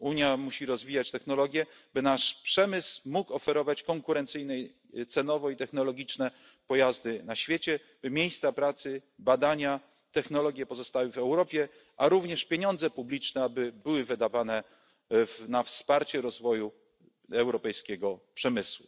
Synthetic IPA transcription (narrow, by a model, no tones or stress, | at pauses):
uɲjamuɕiɾɔzvʲijat͡ɕt̪ɛxnɔlɔɡʲjɛbɘnaʂpʂɛmɘsmukɔfɛɾɔvat͡ɕkɔŋkuɾɛnt̪sɘjnɛj | t̪sɛnɔvɔit̪ɛxnɔlɔɡʲit͡ʂnɛ | pɔjazd̪ɘnaɕfʲjet͡ɕɛ | b̥ɘmʲjejst̪sapɾat̪sɘbad̪aɲa | t̪ɛxnɔlɔɡʲjɛpɔzɔst̪awɘvɛwɾɔpʲjɛ | ʔaɾuvɲɛʂpʲjeɲɔnd̪zɛpublʲit͡ʂnɛabɘbɘwɘvɘd̪avanɛ | vnafspaɾt͡ɕɛɾɔzvɔju | ɛwɾɔpɛjskʲɛɡɔpʂɛmɘswu